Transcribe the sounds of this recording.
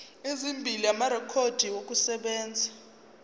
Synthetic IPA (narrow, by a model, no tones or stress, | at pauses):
ezimbʱiliamaɾɛkʰod̥ʱiwokʼusɛɓɛːnd͡zʱḁ